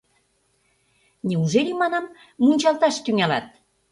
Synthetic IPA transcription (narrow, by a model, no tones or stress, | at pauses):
nʲeuʒelimɑnɑmː | unʲt͡ɕɑlt̪ɑʃt̪yŋælɑ̰t̪̚